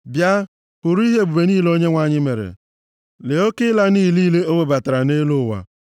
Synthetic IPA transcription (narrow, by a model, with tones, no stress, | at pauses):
bja˦ | pʊ˨ɾu˦i˦ɦe˦˨ɡ͡bu˨be˨niː˦˨lo˦ɲe˦ŋʷa˦˨ɲɪ˦me˨ɾḛ˨ | le˨o˦kɪ˦la˦niː˦˨liː˦le˦o˦ŋʷe˨ba˨ta˨ɾa˨ne˦lo˦˨wa̰˨